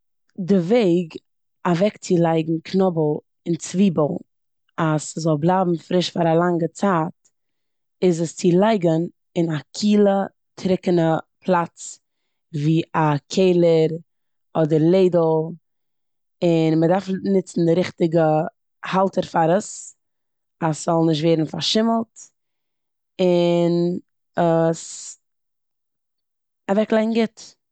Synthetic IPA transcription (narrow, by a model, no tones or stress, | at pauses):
dɪveɪɡ | avɛkt͡sɪlˠaɪɡŋ̩kʰnɔbəlˠ | ɪnt͡sviːbəlˠ | aszɔlˠblˠaːbm̩fɾɪʃfaɾalˠaŋɡət͡saːt̚ | ɪzəst͡sɪlˠaɪɡən | ɪnakʰiːlˠə | tʰɾɪkənəpʰlˠat͡s | viːakʰeɪlˠəɾ | ɔdəɾlˠeɪdl̩ˠ | ɪnmədaɾfnɪt͡sn̩dɪɾɪχtɪɡə | halˠtəɾfaɾəs | asz̥ɔlˠnɪʃ̬tveɪːdn̩faɾʃɪml̩ˠt | ɪn | əs | avɛklˠaɪŋ̩ɡɪt